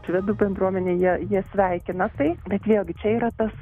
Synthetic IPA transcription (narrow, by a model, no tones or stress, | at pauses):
ʃʋʲɪd̪uːbʲɛnd̪ɾuɔmʲɛnʲeːjiɛjiɛsʲʋʲɛɪkʲɪnɐt̪ɐɪbʲɛt̪ʋʲeːlˠɡʲɪt͡ʃʲɛiːɾɐt̪ɐs